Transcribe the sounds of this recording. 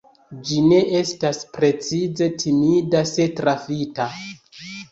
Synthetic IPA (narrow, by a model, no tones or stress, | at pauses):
d͡ʒine̞ʔe̞staspɾe̞t͡size̞tʰimidase̞tɾafita